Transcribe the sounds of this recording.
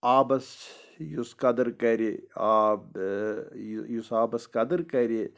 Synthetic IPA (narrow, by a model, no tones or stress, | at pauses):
aːbɐsjuskɐd̪ɐɾkɐɾeaːb | jusaːbɐskɐd̪ɐɾkɐɾe